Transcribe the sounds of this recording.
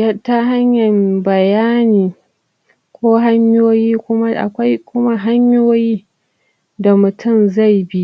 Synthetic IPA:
ja˦ta˦ɦa˦ɲjɐ˨mbɐ˨jaː˦niː˨ | kʷoː˦ɦa˦ɲjoː˦jiː˦kʷʊ˦ma˦ʔa̰˨kʷa˦jkʷʊ˦ma˦ɦa˦ɲjoː˦jiː˦ | da˨mʊ˨tʊ˦˨mza˦˨jbi˦ʔ

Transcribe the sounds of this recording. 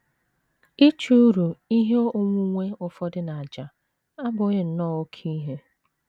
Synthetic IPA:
i˦t͡ʃu˦u˦ɾu˨i˦ɦe˦o˨ŋʷu˦ŋʷe˦ʊ˨fɔ˦dɪ˦na˨a˨d͡ʒa˨ | a˦bʊ˨˦ɣɪ˨n̩˨nɔ˦˨o˦kʰi˦ɦe˦

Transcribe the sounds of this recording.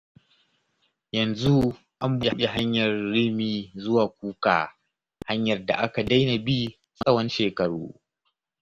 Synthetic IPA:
jɐ˨nzu˦ | ʔa˦mbu˦a˨˦e˨ɦa˦ɲjɐ˨rːi˦miː˦zʊ˦waː˨k̚ʷuː˦ka̰ː˨ | ha˦ɲjɐ˨rda̰˨ʔa˦ka˨da˦jna˨bi˦ | mɐ˦sɐ˦wɐ˦nʃeː˨kɐ˨ɽṵː˦

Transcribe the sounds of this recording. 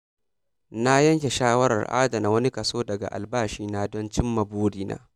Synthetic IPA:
na˦jɐ˦ŋkʲe˨ʃaː˦wɐ˦ɾɐ̰˨rʔa̰ː˦da˨na˨˦wɐ˦ni˦kɐ˨soː˦dɐ˨ɡa̰˨ʔa̰˨lbaː˦˨ʃiː˦naː˦dɔ˦nt͡ʃɪ˦mːɐ˨boː˦ɽiː˦na̰ː˦

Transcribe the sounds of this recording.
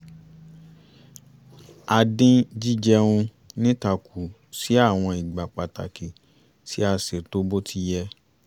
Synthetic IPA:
a˧dĩ˦d͡ʒi˦d͡ʒɛ˧ũ˧ | nĩ˦ta˨kʰu˨ | si˨˦a˦˨w̃ɔ̃˧i˨ɡ͡ba˨k͡pa˨ta̰˨ki˨ | ti˦a˧se˨to˦bo˦tʰi˦jɛ˧

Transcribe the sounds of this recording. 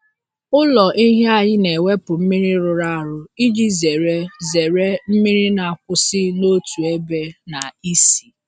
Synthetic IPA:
ʊ˦lɔ˨ʔi˦ɦe˦a˦ɲɪ˦ne˨we˦pʊ˨m̩˦mi˦ɾi˦ɾʊ˨ɾa˦a˨ɾʊ˨i˦d͡ʒi˦ze˨ɾe˦ze˨ɾe˦m̩˦mi˦ɾi˦na˨a˨kʷʊ˨sɪ˦no˦tu˨e˦be˦na˨i˦si˨

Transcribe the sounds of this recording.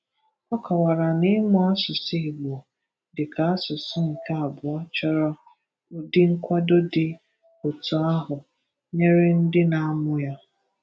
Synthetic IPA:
ɔ˦kɔ˨wa˨ɾa˨nɪ˦mʊ˦a˦sʊ˨si˦˨ɡ͡bo˨ | dɪ˨ka˨a˦sʊ˨sʊ˦ŋ̩˨ka˨a˨bʊ˨ɔ˦t͡ʃɔ˦ɾɔ˦ | ʊ˦dɪ˦ŋ̩˦kʷa˦do˦dɪ˨ | ʊ˨tʊ˨a˦ɦʊ˨ | ɲe˦ɾɪ˦n̩˦dɪ˦na˨a˦mʊ˦ja˦

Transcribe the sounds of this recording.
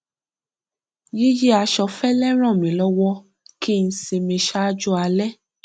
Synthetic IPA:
ji˦je˦a˧ʃɔ˧fɛ˦lɛ˦ɾ̃ã˦˨mĩ˨lɔ˦wɔ˦ | ki˦˧n̩˦se˧mẽ˧ʃa˦d͡ʒɔ˦a˧lɛ˦

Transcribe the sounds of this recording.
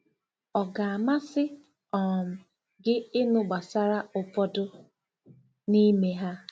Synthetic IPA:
ɔ˨ɡa˨a˨ma˦sɪ˦ | ɔ˨m̩˨ | ɡɪ˦ɪ˦nʊ˦ɡ͡ba˨sa˦ɾa˦ʊ˨pɔ˦dʊ˦ | ni˦me˦ɦa˦

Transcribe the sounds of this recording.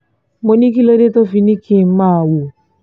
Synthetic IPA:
mo˦ni˦k̬i˦lo˦de˦to˦fi˨ni˦kʰi˨m̩˦ma˦˨wʊ˨

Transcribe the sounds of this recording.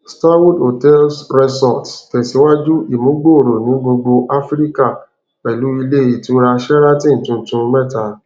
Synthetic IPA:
sta˦wu˦do˨tɛ˦lsɾɛ˧sɔ˦˨ttɛ˨si˨˦wa˦d͡ʒu˦i˦˨mũ˨˦ɡ͡bo˦˨ɾo˨nĩ˨˦ɡ͡bo˧ɡ͡bo˧ʔa˦fɾi˦ka˦˨ | k͡pɛ˨lu˨˦i˧le˦e˦˨i˨ti˨˦o˦ɾa˧ʃɛ˦ɾa˦tĩ˦n̩˨tũ˧n̩˨tũ˧mɛ˦˨ta˧˦

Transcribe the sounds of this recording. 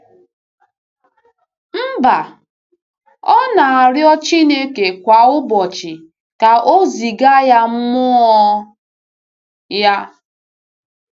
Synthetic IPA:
m̩˦ba˨ | ɔ˦na˨a˨ɾjɔ˦t͡ʃi˦ne˦ke˨kʷa˨ʊ˦bɔ˨t͡ʃɪ˨ | ka˨ʔo˦zi˨ɡa˦ja˦m̩˦mʊ˦ɔ˦ | ja˦

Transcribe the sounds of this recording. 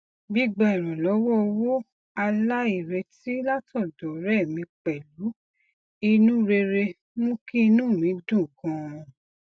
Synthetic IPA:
bi˦ɡ͡ba˧˨ɾ̃ɔ̃˨lɔ˨˦wɔ˦o˧wo˦ | a˧la˦i˨ɾe˧ti˦la˦tɔ˦˨dɔ˨˦ɾɛ˦˨mĩ˧k͡pɛ˨lu˨˦ | i˧nũ˦ɾe˧ɾe˧ | mũ˦kĩ˦i˧nũ˦˨mĩ˨˦dũ˦˨kɔ̃˧˦˨

